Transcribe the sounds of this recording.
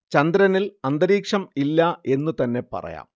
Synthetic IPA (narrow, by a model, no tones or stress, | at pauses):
t͡ɕɐnd̪ɾɐnilɐnd̪ɐɾiːkʂɐmilːɐe̞nːut̪ɐnːe̞pɐ̰rɐ̰ja̰ːm